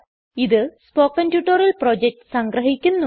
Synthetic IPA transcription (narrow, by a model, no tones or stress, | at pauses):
iðɨspoːkːɐndjuːʈːoɾɐlpro̞ːd͡ʑek̚ʈɨ̥sɐŋɡɾɐɦikʲːunːu